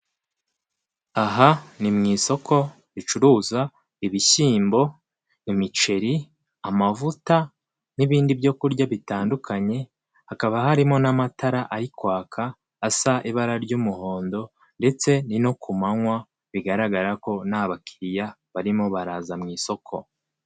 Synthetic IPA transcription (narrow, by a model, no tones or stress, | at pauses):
aɦanimŋiːso̞kʰo̞ | βit͡ʃuɾuːza | iβiʃiːmbo̞ | nimit͡ʃe̞ɾi | amavuta | niβiːndibjo̞kuɾɟaβitaːndukʰaɲe̞ | hakaβahaɾimŋo̞namataɾaʔaɾikwaːkʰaː | saʔiβaɾaɾɟumuho̞ːndo̞ | nde̞t͡se̞nino̞kumaŋwa | βiɡaɾaɡaɾako̞naːβakʰiɾijaβaɾimo̞βaɾaːzamŋiːso̞kʰo̞